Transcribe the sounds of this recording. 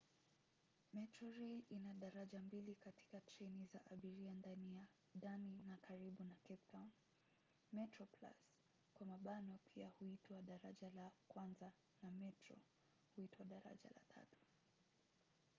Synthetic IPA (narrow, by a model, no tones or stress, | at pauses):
mɛtɾɔɾeʔinaɗaɾaʄambilikati̥kat͡ʃɛnizaʔaɓiɾiandanija | daninakaɾiɓunakɛp̚tʰawn | mɛtɾɔpla̰s | kwamaɓanɔpʰiahuitwaɗaɾa̰ʄalakwanza | namɛtɾɔ̰ | huitʰwaɗaɾa̰ʄa̰la̰tʰa̰tu̥